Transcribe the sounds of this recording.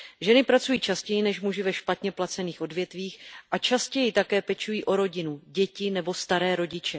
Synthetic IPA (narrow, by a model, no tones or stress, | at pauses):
ʒɛnɪpɾat͡sujiːt͡ʃascɛjɪnɛʃmuʒɪvɛʃpat̪ɲɛplat͡sɛniːxʔo̞dvjɛt̪viːxʔat͡ʃascɛjɪt̪akɛːpɛt͡ʃujiːʔo̞ɾo̞ɟɪnuɟɛcɪnɛbo̞st̪aɾɛːɾo̞ɟɪt͡ʃɛ